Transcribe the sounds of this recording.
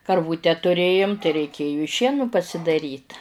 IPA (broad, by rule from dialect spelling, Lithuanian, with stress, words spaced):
kɐrˈʋuːtʲɛ tʊˈrʲeːjʊm tɐɪ rʲɛɪˈkʲeːjʊ ɪ ˈʃʲiɛnʊ pɐsʲɪdɐˈrʲiːt